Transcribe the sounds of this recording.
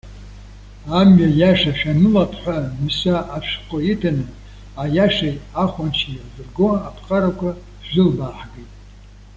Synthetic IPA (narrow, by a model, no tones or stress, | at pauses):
amɥajaʂaʃᶣanɨlapʰħʷamsaʔapʰʂqʷʼoitʰanɨ | ajaʂajaχʷant͡ʃʰijazɨrɡoapʰqʼaɾakʷʰa | ʒᶣɪlbaːħɡejtʼ